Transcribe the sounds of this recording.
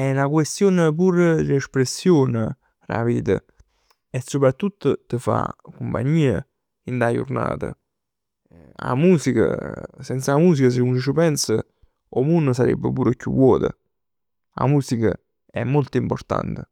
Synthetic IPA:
ɛnakwest̪joːnəp̬uɾd̪lespɾesːjoːnə | ra̰piːd̪ə̰ | ɛsːopɾat̪ːut̪ːʊt̪əfa̰kumpa̰ɲːiːə | ind̪ajṵrna̰ːt̪ə̰ | a̰muːsikə̰sɛnt̪saamuːs̬ikəs̬əunt͡ʃəpɛnsə | omunːəsaɾɛ̰bːəpuːɾəkjṵvːɔːt̪ə̰ | a̰muːsikə | ɛmːolt̪əimport̪a̰nt̪ə

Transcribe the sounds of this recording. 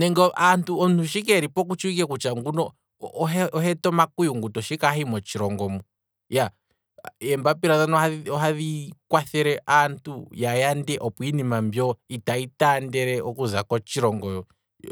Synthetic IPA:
nɛŋɡɔʔantʰuɔntuʃ̬ik̬ɛɾipɔk̬ut͡ʃuik̬ɛkut͡ʃaŋɡunɔː | ɦɛɔɦɛtɔmakujuŋɡutɔʃikaɦimɔt͡ʃiɾɔŋɡɔmɔ | ja | ɛmbapiɾaðanɔaɔɦaðikwaθɛɾɛʔantʰujajandɛʔɔpuinimambjɔitaitandɛɾɛɔkuza̰kɔt͡ʃiɾɔŋɡɔjɔ

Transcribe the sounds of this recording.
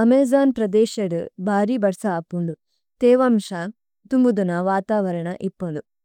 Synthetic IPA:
ɐmeːzaːnpɾɐd̪ɛːʃɐɽubʱaːɾibɐɾsaːpːuɳɖu | t̪eːʋɐmʂa | t̪umbud̪unɐʋaːt̪aːʋɐɾɐɳɐʔipːuɳɖ̪u

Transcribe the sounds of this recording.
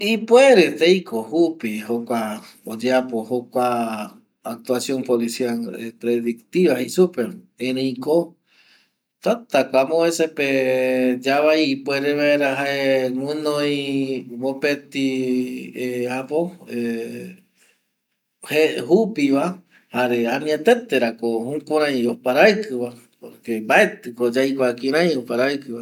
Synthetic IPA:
ipweɾet̪ejkʰohupihokʷa | od͡ʒeapohokʷaː | k̚t̪uasjompolisialepɾeðikt̪iβahisupeɾ | ẽɾẽj̃ko | t̪at̪akʷamoeseped͡ʒaβajːpweɾeβaeɾaɦaenɨ̃nõjimopet̪i | eapoe | hehupiβa | haɾeanĩat̪et̪eɾakohũkʷaɾãj̃opaɾajkɨβa | poɾkembaet̪ɨkod͡ʒajkʷakĩɾãj̃opaɾajkɨβa

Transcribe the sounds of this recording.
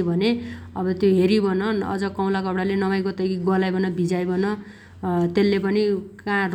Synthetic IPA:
ibʱʌneʌbʌt̪joɦeɾibʌnʌʌ̰d͡zʌkʌw̃lakʌbɽalenʌmajkot̪ʌkiɡʌlajbʌnʌbʱid͡zajbʌnʌ | t̪elːepʌnikãr

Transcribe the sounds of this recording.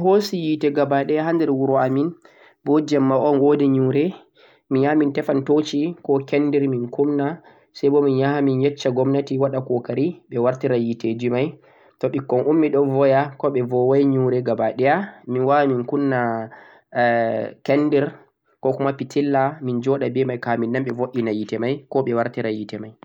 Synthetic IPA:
hosijitɛɡabaɗɛjaɦandɛɾwuɾɔamin | bɔd͡ʒɛmːaʔɔnwodɛɲuɾɛ | miɲjahamintɛfantot͡ʃikɔkɛnːdɛɾminkumna | sajbɔminjahaminjɛt͡ʃːaɡɔmnatiwaɗakɔkaɾiɓɛwaɾtiɾajited͡ʒimaj | tɔɓikːɔnʔumːiɗɔvɔjakɔɓɛvɔwajɲuɾɛɡabaɗɛjaminwaminkunːa | kɛnːdiɾ | kɔkumapitʰilːamind͡ʒɔɗabɛmajkaminːamɓɛvoʔʲːinajitɛmajkɔɓɛwaɾtiɾajitɛmaj

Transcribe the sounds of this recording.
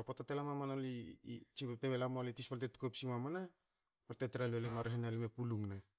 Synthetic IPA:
potatelamamanolit͡ʃiteβelamalitispaltetu̥kopsimamana | pateteɾaluelemaɾeɦenalimepuluŋna

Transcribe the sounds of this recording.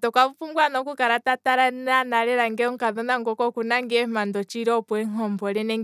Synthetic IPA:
tɔkaβufuŋɡwanɔkukaɾatataɾananaɾɛɾaŋɡɛɔŋ̩kaðɔnaŋɡɔkɔkunaŋɡɛmandɔt͡ʃiɾɔpwɛŋɔmbɔɾɛnɛŋ

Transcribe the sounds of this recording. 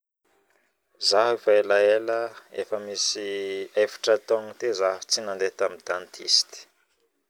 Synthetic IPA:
zaɦifaelaeləḛfəmisiajfi̥ʈ͡ʂət̪ɔŋit̪ezaɦt͡sinand̪et̪amid̪̥ant̪ʰḭsi̥t̪i̥

